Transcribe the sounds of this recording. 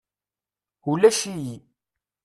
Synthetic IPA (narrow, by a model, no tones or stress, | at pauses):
ulæʃiji